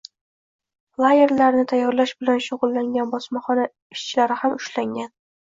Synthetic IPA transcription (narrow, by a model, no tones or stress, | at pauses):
lˠaje̞ɾlaɾnɪt̪ʰajːɒɾlaʃbɪlanʃʊʁʊlˠːaŋɡʲanbɒsmaχɒna | ɪʃt͡ʃʰɪlaɾɪhamʊʃlaŋɡʲan